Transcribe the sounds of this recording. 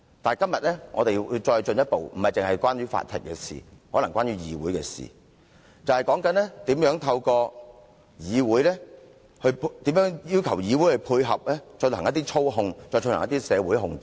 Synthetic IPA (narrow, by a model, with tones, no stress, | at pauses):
t̪aː˨n˨jkɐ˥mjɐ˨t̚lɛ˥ŋɔ̰ː˨˧t̪e˨jwu˧wt͡ʃɔː˧jt͡ʃɵ˧njɐ˥t̚po˨wm̩˨˩ɐ˨jt͡sɪ˨ŋhɐ˨jkʷaː˥nɥyː˨˥fa̰ː˧˨t̪ʰɪ̰˨k̚kɛ˧sḭ˨hɔː˨˥lɐ˨˩ŋkʷwaː˥nɥyː˨˥jiː˨wuː˨˥jkɛ̰ː˧sḭː˨ | t͡sɐ˨whɐ˨jkɔː˨˥ŋkɐ˨˥nlɛ˥t̪iː˨˥mjœː˨˥ŋt̪ʰɐ˧wkɔː˧ | jiː˨˧wuː˨˥jlɛː˥ | hɵ˧pt̪iː˨˥mjœː˨˥ŋjiː˥wkʰɐ˨˩wjiː˨˧wu˨˥jhɵ˧pʰuː˧jɦɐ˨p̚lɛː˥t͡ʃɔ˧nhɐ˨˩ŋjɐ˥t̪i˥t͡ʃʰo˥wɦʊ˧ŋt͡sɔː˧jt͡ʃʰnhɐ˨ŋjɐ˥t̪iː˥sɛː˨˧wuː˨˥jɦʊ˨ŋt͡s